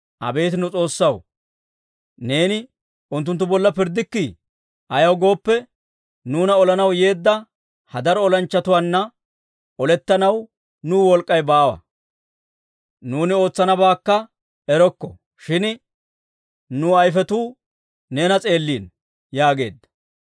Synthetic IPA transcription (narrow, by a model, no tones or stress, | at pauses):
ʔɐ̰be̞ːt̪ɪnʊt͡sʼo̞ːsːɐw | ne̞ːnɪ | ʊnt̪ːʊnt̪ːʊbɔlːɐpɪɾd̪ːɪkːi | ʔɐjɐwɡo̞ːpːɛ | nuːnɐɔlɐnɐwje̞ːd̪ːɐ | hɐd̪ɐɾɔɔlɐnt͡ʃːɐt̪ʊwanːɐ | ɔlɛt̪ːɐnɐw | nuːwɔlkʼːɐjbaːwɐ̰ | nuːnɪo̞ːt͡sːɐnɐbaːkːɐ | ɛɾɔkːɔ̰ | ʃɪn | nuːɐjfɛt̪uː | ne̞ːnɐt͡sʼe̞ːlːiːn | jaːɡe̞̰ːd̪ːɐ̥